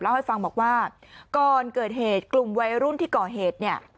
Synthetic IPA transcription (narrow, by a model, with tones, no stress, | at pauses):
lɛ˦˥ha˥˩jfa˧ŋbɔː˨˩k̚waː˥˩ | kɔː˨˩nkɤː˨˩t̪̚heː˨˩t̪̚klu˨˩mwa˧jɾu˦˥˩nt̪ʰiː˥˩kɔː˨˩ɦeː˨˩t̪̚ni˥˩ɐ